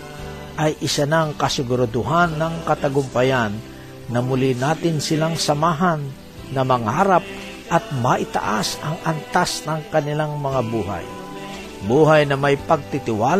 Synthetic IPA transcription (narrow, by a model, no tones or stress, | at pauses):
ʔɐjʔɪsanaŋkɐsɪɡʊɾad̪ʊɦanːɐŋkɐt̪ɐɡʊmpɐjanː | ɐmʊlinaːt̪ɪnsɪlaŋsɐmaːɦanː | ɐmɐŋaːɾap̚ | ʔɐt̪̚mɐʔɪt̪a̰ʔasɐŋɐnt̪asnɐŋkɐnɪlaŋmɐŋabuːɦa̰j | buːɦajnɐmajpɐɡ̚t̪ɪt̪ɪwaːl